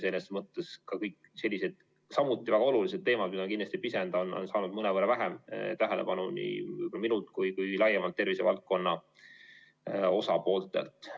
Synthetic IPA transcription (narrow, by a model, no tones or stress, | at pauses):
senesmɤt̪ːˑe̞skɑkɤjkː | se̞lʲːise̞d̪̥ | sɑmut̪ːˑivæɡ̥ɑo̞lulised̪̚t̪ːe̞ːmɑd̪̥mid̪ɑonkind̪ɑst̪ipise̞nd̪̥ɑonːo̰nsɑːnud̪mɤnevɤɾevæɦemt̪æɦelepɑnunḭvɯjbolɑminult̪kujkujlɑjːemɑlt̪ːe̞rvise̞vɑ̰lt̪̚ko̞nːɑ | o̞sɑpo̞ːlt̪ːˑe̞̰lt̪ˑ